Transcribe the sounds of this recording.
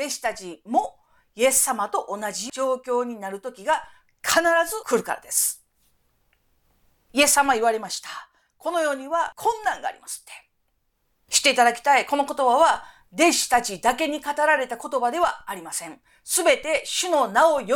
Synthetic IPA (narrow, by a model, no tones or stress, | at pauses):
d̪̥e̞ɕi̥t̪at͡ɕimo̞ | je̞sːamat̪o̞ʔonaʑid͡ʑo̞ːkʲo̞ːɲ̟inaɾɯ̟t̪o̞kʲiɡa | kʰanaɾazɨkɯ̟ɾɯ̟kaɾa̰d̪e̞sɨ̥ | ie̞sːamaiβ̞aɾe̞maɕi̥t̪ḁ | kʰo̞no̞jo̞ːɲ̟iβakʰõ̞nːãŋɡa̰ːɾʲḭmasɨ̥t̪ːe̥ | ɕi̥t̪e̞it̪ad̪akʲi̥t̪aiko̞no̞ko̞t̪o̞baβa | d̪e̞ɕi̥t̪at͡ɕid̪ake̞ɲ̟ikat̪aɾaɾe̞t̪ako̞t̪o̞bad̪e̞βaːɾʲimasẽ̞ɴ | sɨbe̞t̪e̞ɕɨno̞naojo